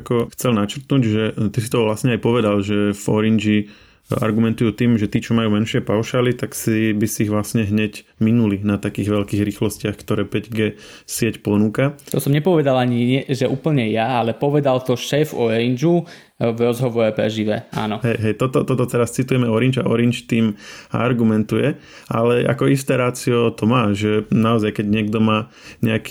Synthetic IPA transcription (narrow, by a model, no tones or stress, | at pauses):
kɔxt͡sɛlnat͡ʃrt̪nuːɟʒɛt̪isi̥t̪ɔʋlasɲɛajpɔʋɛd̪alʒɛvɔɾind͡ʒi | a̰ɾɡumɛnt̪ujuːt̪iːmʒɛt̪iːt͡ʃɔmajuːmɛnʃɪɛpaʊʃaːlit̪aksibisiiɣʋlasɲɛɦɲɛcminulinat̪akiːɣʋɛlkiːɣɾiːxlɔscɪaxkt̪ɔɾɛːpɛɟɡɛ | sɪɛcpɔnuːkat̪ɔsɔmɲɛpɔʋɛd̪alaɲiɲɛʒɛʔuːpl̩ɲɛjaalɛpɔʋɛd̪alt̪ɔʃɛːfɔɾind͡ʒu | vɾɔzɦɔʋɔɾɛpɾɛ̰ʒiʋɛa̰ːnɔɦɛjɦɛjt̪ɔt̪ɔt̪ɔt̪ɔt̪ɛɾast͡sit̪ujɛmɛɔɾind͡ʒa̰ʔɔɾint͡ʃt̪iːma̰ɾɡumɛnt̪ujɛ | ʔa̰lɛʔa̰kɔist̪ɛːɾaːt͡siɔt̪ɔmaːʒɛnaɔzajkɛɟɲɪɛɡd̪ɔmaː | ɲɛak